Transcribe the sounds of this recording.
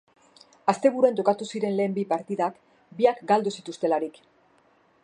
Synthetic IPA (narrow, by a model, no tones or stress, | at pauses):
ast̪e̞βuɾant̪o̞kat̪usiɾe̞nle̞ːmbipaɾt̪iðak | biakɡald̪usit̪ust̪e̞laɾik